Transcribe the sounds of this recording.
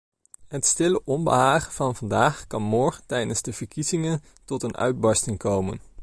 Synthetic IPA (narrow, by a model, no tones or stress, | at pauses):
ɦətstɪləʔɔmbə̰ɦaːχəvɑnvɑndaːχkɑnmɔːɹχətɛjdənzdəv̥əɹkizɪŋən | tɔtənʔœ̰ɥd̚bɑɹstɪŋkowmə̰n